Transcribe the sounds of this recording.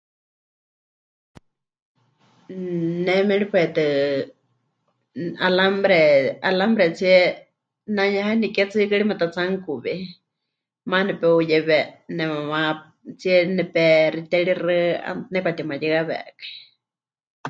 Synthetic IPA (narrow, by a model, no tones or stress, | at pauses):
nɛmɛɺipɛt̪ɨ | alambɾɛalambɾɛt͡siɛ | naɲãɦanikɛt͡sɨkɨɺimat̪at͡saŋkuβi | manɛpɛujɛβɛnɛmãmã | t͡siɛnɛpɛɾit̪ɛɺirɨa̰nɛkʷat̪imãjɛɣaβɛ̰kḁ